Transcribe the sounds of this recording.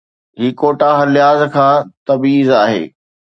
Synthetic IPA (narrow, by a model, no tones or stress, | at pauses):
ɦiːkoːʈaɦɐljaːzkʰãːt̪ɐbiːzaːɦḛː